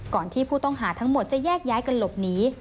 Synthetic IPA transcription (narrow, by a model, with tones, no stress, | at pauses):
kɔː˨˩nt̪ʰiː˥˩pʰuː˥˩t̪ɔ˥˩ŋɦaː˩˦t̪ʰa˦˥ŋmo˨˩t̪̚t͡ɕa˨˩jɛː˥˩k̚jaː˦˥jka˧nlo˨˩p̚niː˦˥